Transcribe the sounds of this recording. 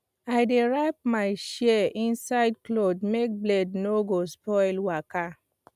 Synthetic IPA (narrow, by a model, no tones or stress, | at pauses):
aɪdeɹap̚maɪʃiɛʔĩnsaɪdklodmek̚blednoɡospɔɪlwaka